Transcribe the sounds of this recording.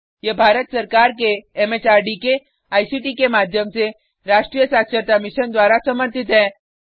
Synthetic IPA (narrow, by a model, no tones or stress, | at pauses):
jebʱaːɾət̪səɾkaːɾkeːmet͡ʃaːɾɖike | aːjsiʈikemaːd̪ʱjəmse | ɾaːʃʈɾiːjəsaːkt͡ʃəɾt̪amɪʃənd̪waːɾasɐməɾt̪ɪt̪ɦɛ̃ː